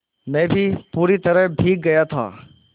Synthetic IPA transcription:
mɛ̃ːbʱipuːɾit̪əɾəɖʱiːk̚ɡəjat̪ʰa̰ː

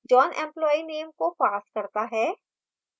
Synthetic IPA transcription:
d͡ʒɔːnʔɛ̰̃mplɔːineːmkopaːskɐɾt̪aɦɛː

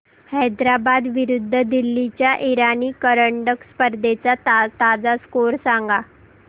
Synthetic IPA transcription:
hɛjd̪ɾabad̪ʋiɾud̪ʱːəd̪ilːit͡ɕjaʔiɾaniːkəɾəɳɖəkspəɾd̪ʱet͡sat̪ad͡zaskoɾsãŋɡa

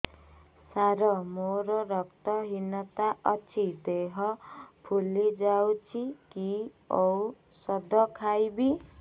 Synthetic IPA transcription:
saɾʌmoɾɔɾʌk̚t̪ʌɦinʌt̪aʌt͡sʰid̪eɦʌpʰulːid͡zawt͡sʰiki | ɔw | sʌd̪ʱʌkʰajbi

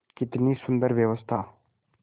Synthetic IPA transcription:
kɪt̪niːsʊnd̪əɾʋjəʋəst̪ʰaː

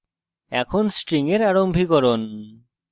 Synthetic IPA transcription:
ɛkʰonsʈɾiŋeɾaɾombʱikɔɾon

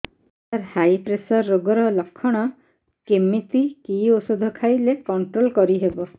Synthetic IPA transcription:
aɾhajpɾesɔɾːoɡɔɾɔlɔkʰːɔɽ̃ɔ | kemːit̪ikiosud̪ʱɔkʰajlekɔɳʈɾolkɔɾiɦebɔ

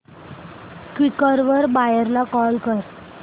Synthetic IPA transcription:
kʋikəɾʋəɾbajeɾlakɔlkəɾ

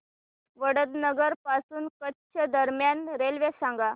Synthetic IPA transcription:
ʋəɽəd̪nəɡəɾpasuːnkətːɕʰəd̪əɾmjanɾelʋesãŋɡa

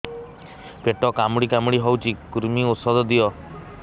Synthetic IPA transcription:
peʈɔkamɽikamɽiɦɔwt͡ʃʰikuɾmiusɔd̪ɔd̪ijɔ

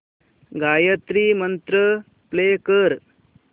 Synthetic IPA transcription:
ɡaːjət̪ɾimənt̪ɾə | pleːkəɾ

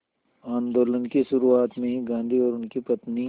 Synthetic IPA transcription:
ãːnd̪oːlənkiʃʊɾuaːt̪mẽɦiɡãːnd̪ʱiɔːɾʊnkipɐt̪ni

